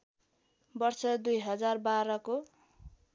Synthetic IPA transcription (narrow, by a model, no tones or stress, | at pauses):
bʌrsʰʌd̪ujɦʌd͡zarbaɾʌko